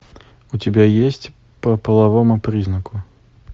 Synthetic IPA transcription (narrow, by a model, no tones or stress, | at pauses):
utʲɪbʲajesʲt͡sʲ | pɐpəlˠavɔmupɾiznəkʊ